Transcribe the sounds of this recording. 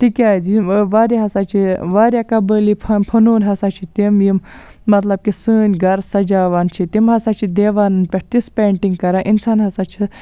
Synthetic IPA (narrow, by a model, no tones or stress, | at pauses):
t̪ikʲaːzʋaːɾʲaɦɐsaːt͡ʃʰiʋaːɾʲjakɐbəːlipʰpʰɐnuːnɦɐsat͡ʃʰit̪imjim | mɐt̪lɐb̚kisɨːnʲɡɐɾsɐd͡ʒaːʋaːnt͡ʃʰit̪imɦɐsaːt͡ʃʰid̪eːʋaːnɨnpʲeʈt̪ispʲeːɳʈiŋɡkɐɾaʔinsaːnɦɐsaːt͡ʃʰi